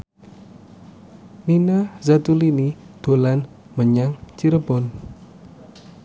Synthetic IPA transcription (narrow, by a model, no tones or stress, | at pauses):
ninazat̪ulinid̪̥o̤lan | məɲaŋt͡ʃiɾəbɔn